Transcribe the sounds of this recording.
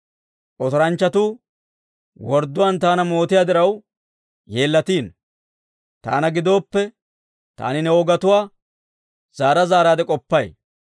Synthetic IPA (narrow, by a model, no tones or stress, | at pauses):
ʔɔt̪ɔɾɐnt͡ʃːɐt̪uː | wɔɾd̪ʊwaːnt̪aːnɐmo̞ːt̪ɪjaːd̪ɪɾɐw | je̞ːlːɐt̪iːn | t̪a̰ːnɐɡɪd̪o̞ːpːɛ | t̪a̰ːnɪnɛwɔɡɐt̪ʊwaː | z̥aːɾɐzaːɾaːd̪ɛkʼɔpːɐj